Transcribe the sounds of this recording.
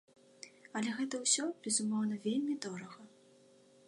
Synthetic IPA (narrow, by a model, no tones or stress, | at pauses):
ɐlʲɛɣɛt̪ɐwsʲɔbʲɛzumɔwnɐvʲelʲmʲid̪ɔɾɐɣɐ